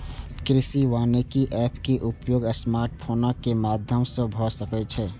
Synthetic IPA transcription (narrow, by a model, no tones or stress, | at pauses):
kɾɪsiʋaːnekiʔɛːpkeʔʊpjoːɡəsmaːɾʈ̚pʰoːnakemaːd̪ʱjəmsə̃bʱɔsəkət͡ʃʰɛː